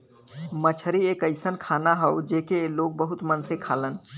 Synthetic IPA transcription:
mət͡ʃʰəɾiekəɪsənkʰanaɦəwd͡ʒeːkeloɡ̚bəɦut̪mənsekʰalən

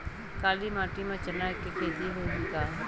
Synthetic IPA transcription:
kaːliːmãːʈimãt͡ʃənakekeːd̪iɦoːdikaː

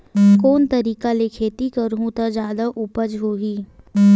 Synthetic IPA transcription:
koːnt̪ɐɾiːkalekʰeːt̪ikɐɾɦũt̪ad͡ʒaːd̪aʔupəd͡ʒɦoːɦiː

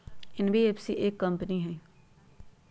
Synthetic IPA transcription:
ɪnbʱieːpsiʔeːkːɐ̃mpniɦɛː

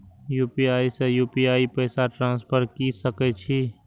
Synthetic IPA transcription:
juːpiaːisejuːpiaːipəɪsaʈɾãːnspʰəɾkisəket͡ʃʰiː

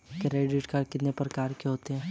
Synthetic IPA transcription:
kɾeːɖɪʈkaːɖkɪt̪nepɾɐkaːɾkeɦoːt̪eɦɛ̃ː

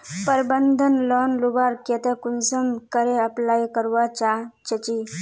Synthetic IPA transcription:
pəɾbənd̪ʱənlɔnlubaɾket̪ekunsəmkəɾeəplaikəɾʋat͡ɕat͡ɕət͡ɕi

